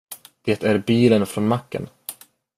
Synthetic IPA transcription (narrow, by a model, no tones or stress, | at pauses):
d̪̥eːt̪æɾbiːlənfɾɔnmakːə̰n